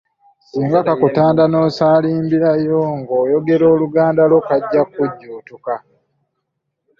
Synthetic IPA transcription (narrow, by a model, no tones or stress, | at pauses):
siːŋɡakakutaːndano̞ːsaːliːmbiɾajoŋɡoːjo̞ɡe̞ɾo̞ːluɡaːndalo̞kaɟːakuɟːuːtuka